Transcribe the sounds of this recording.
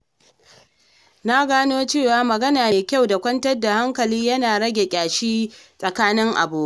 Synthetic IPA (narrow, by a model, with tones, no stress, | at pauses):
na˦ɡaː˦noː˦t͡ʃeː˦˨waː˦mɐ˨ɡɐ˦naː˨me˨kʲa˦˨wda˨kʷɐ˦ntɐ˦rda˨ha˦ŋkɐ˨liː˦jɐ˦naː˨ɽɐ˦ɡʲe˨kʲʼaː˨ʃiː˦sʼɐ˨kaː˦nɪ˦ŋʔa̰˨boː˨˦